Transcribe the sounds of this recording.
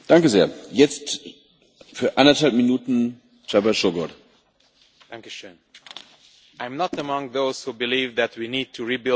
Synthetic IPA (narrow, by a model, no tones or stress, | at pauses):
d̥aŋkəzeːɐjɛt͡st | fyːɐʔandɐthalp̚minuːtn̩ | t͡ʃɛbɐʃoɡɔd | θæ̃ŋkjuʃɨn | ãɪ̃mnətəmʌ̃ŋðoʊz̥hubɨlivðætwinid̚tʰuɹibɪ